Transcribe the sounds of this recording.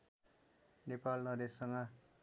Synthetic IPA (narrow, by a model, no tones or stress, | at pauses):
nepalnʌd̪esːʌŋɡʌ